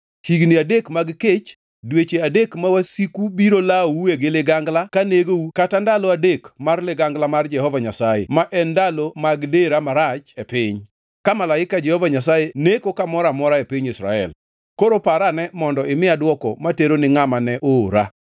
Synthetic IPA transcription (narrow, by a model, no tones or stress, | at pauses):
hiɡniadekmaɡket͡ʃ | dwet͡ʃeadekmawasikubiɾolawueɡɪlɪɡaŋɡlakaneɡoukatandalɔadekmarlɪɡaŋɡlamard͡ʒɛhɔvaɲasajḛmaʔɛndalomaɡdeɾamaɾat͡ʃepɪɲ | kamalaɪkad͡ʒɛhɔvaɲasajenekokamɔɾamɔɾaepiɲisɾa̰ɛ̰l | koɾopaɾanɛmɔndɔɪmɪadwɔkɔ̰mateɾonɪŋamanɛʔoɾa̰